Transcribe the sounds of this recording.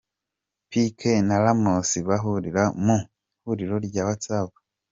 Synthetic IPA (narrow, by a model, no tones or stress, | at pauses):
pikʰenalamosiβaɦuɾiɾamu | huɾiɾoɾɟaːβat͡saːɡa